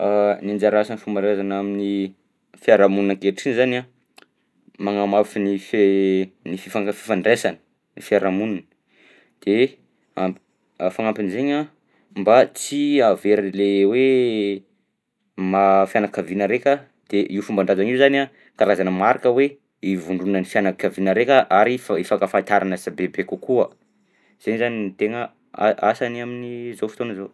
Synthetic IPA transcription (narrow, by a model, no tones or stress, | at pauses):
anind͡ʒaɾasanfumbaɾezanamini | fiaɾamunnəkeʈ͡ʂinizana | maŋamavfinifenififafi̥faɳɖ͡ʐesanə̥ | nifiaɾamununə̥ | d̪̥e | a | faŋampinzeɲa | mbat͡siaveɾlewe | mafjanakavinəɾekʲə | d̪̥eʔiufumbaɳɖ͡ʐazaŋiuzana | kaɾazanəmaɾikəwe | ivuɳɖ͡ʐunənifianakavinəɾekʲəʔaɾififakafant̪aɾanəsabebekukuə | z̥enizaniit̪eŋə | aasaniaminizofi̥t̪onəzow